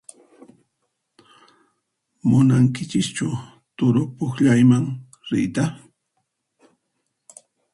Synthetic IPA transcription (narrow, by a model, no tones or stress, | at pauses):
mʊnaŋkɪt͡ʃɪst͡ʃʊ | t̪ʊɾʊpʊχʎajmaŋ | ɾɪ̰jt̪a